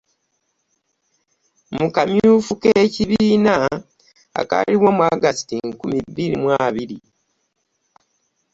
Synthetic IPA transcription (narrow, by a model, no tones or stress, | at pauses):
mukamjuːfukeciβiiːna | a̰ka̰liwomuaɡastiŋkumibːilimwaːβiɾi